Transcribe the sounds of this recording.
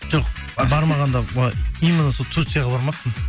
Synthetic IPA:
ʒoq̚bɑɾmɑʁɑnd̪ɑijmənəsolˠt̪ʰut̪sɨjɑʁɑbɑɾmɑqp̪ən

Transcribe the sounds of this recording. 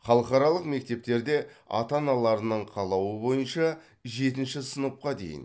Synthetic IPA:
χɑlˠəqɑɾɑlˠəqme̞k̚t̪e̞p̚t̪e̞ɾd̪e̞ɑ̰t̪ɑnɑlˠɑɾənəɴqʰɑlˠɑwəbo̞jənʃɑ | ʒe̞t̪ɪnʃɪsənəp̚qɑd̪e̞̰jɪ̰n

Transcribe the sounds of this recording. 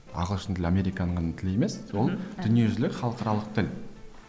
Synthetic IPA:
ɑ̰ʁəlˠʃənt̪ʰɪlamʲe̞ɾijkɑnəɴɑnət̪ʰɪlje̞me̞swolˠd̪ʏnije̞ʒʏzlɪkχɑlˠəqɑɾɑlˠəq̚t̪ʰɪl

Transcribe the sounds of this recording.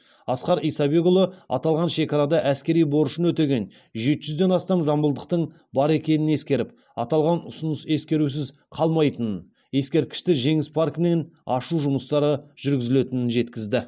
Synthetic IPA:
ɑsqɑɾijsɑbe̞ɡolˠoɑ̰t̪ɑlˠʁɑnʃe̞kɑɾɑd̪ɑʔæskʲe̞ɾijbo̞ɾəʃənwɵt̪e̞ɡʲe̞n | ʒe̞t̪ɪʒʏzd̪e̞nɑst̪ɑmʒɑmbəlˠd̪əq̚t̪əɴ | bɑɾe̞kʲe̞nɪne̞skʲe̞ɾɪp̚ | ɑ̰t̪ɑlˠʁɑnʊsʊnəse̞skʲe̞ɾus̬ɪz | qʰɑlˠmɑjt̪ənən | je̞skʲe̞ɾt̪̚kʲɪ̥ʃt̪ɪʒe̞ŋɪspʰarknenɑʃuʒʊməst̪ɑɾəʒ̥ʏɾɡʲɪzɪle̞t̪ɪnɪnʒe̞t̪kʲɪzd̪ɪ

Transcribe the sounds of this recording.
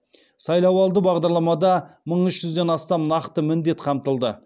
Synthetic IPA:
sɑjlˠɑwɑlˠd̪əbɑʁd̪ɑɾlˠɑmɑd̪ɑməɴʏʃʒʏzd̪e̞nɑst̪ɑmnɑqt̪əmɪnd̪e̞t̪qʰɑmt̪əlˠd̪ə

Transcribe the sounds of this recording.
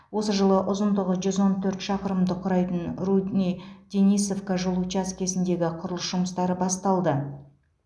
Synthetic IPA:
wo̞səʒəlˠəʔʊzənd̪əʁəʒʏzo̞nt̪ʰɵɾt̪ʃɑqəɾəmd̪əqʰʊɾɑjt̪ənrud̪nʲijd̪̥enijso̞fkaʒolˠut͡ʃaskʲʰe̞sɪnd̪e̞ɡʲɪqʰʊɾlˠəsʒʊməst̪ɑɾəbɑst̪ɑlˠd̪ə

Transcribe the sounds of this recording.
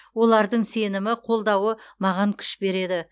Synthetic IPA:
wo̞lˠɑɾd̪əɴse̞nɪmɪqʰo̞lˠd̪ɑwəmɑʁɑŋkʲʰʏ̥ʃbe̞ɾe̞d̪ɪ

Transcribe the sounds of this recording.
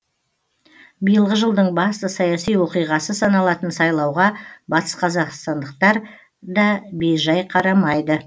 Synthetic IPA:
bijəlˠʁəʒəlˠd̪əɴbɑst̪əsɑjɑsijwo̞qijʁɑsəsɑnɑlˠɑt̪ənsɑjlˠɑwʁɑbɑt̪ə̥sqʰɑzɑqst̪ɑnd̪əq̚t̪ɑɾ | d̪ɑbejʒɑjqʰɑɾɑmɑjd̪ə

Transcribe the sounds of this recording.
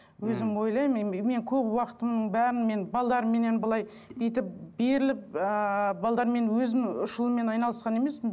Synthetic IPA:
wɵzɪmwo̞jlˠɑjmme̞ŋkʲʰɵpwɑqə̥t̪əmnəɴbæɾɪnme̞nbɑlˠd̪ɑɾəmːe̞ne̞nbəlˠɑj | d̪ejt̪ɪp̚be̞ɾɪlɪp̚əbɑlˠd̪ɑɾme̞nwɵzɪmʊʃəlˠəme̞nɑjnɑlˠəsqɑne̞me̞smɪn

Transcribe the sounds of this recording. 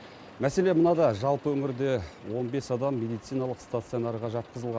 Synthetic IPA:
mæse̞le̞mənɑd̪ɑʒɑlˠpəwɵŋɪɾd̪e̞wo̞nbe̞sɑd̪ɑmːe̞d̪ijt̪sijnɑlˠəqst̪at̪sionɑɾʁɑʒɑt̪̚qəzəlˠʁɑn

